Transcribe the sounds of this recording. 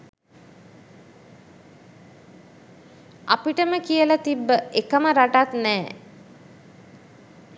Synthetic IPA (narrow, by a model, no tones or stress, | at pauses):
apiʈəməkijəlat̪ibːəekəməɾaʈat̪nɛː